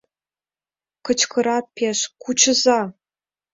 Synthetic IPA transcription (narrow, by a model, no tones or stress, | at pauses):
kʰɨt͡ʃʰkʰɨɾapʰeɕkʷʰut͡ʃʰɨza